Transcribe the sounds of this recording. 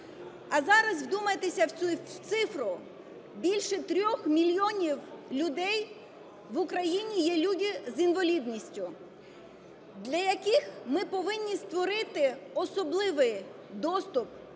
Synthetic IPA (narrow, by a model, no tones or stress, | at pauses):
ɐzɑɾɐzwd̪umɐjet̪esʲɐwt̪sɪfɾʊ | bʲilʲʃɛt̪ɾʲɔxmʲilʲjɔnʲiwlʲʊd̪ɛj | ʋʊkɾɐjinʲijɛlʲudʲizinʋɐlʲid̪nʲisʲtʲʊ | d̪lʲɐjɐkɪxmɪpɔʋɪnʲːist̪ʋɔɾɪt̪ɪɔsɔblˠɪʋɪj | d̪ɔst̪ʊp